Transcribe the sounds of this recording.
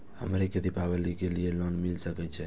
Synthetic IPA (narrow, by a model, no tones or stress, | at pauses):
hə̰mɾeked̪ipaβəlikelijelonmilsəkɛt͡ʃʰɛ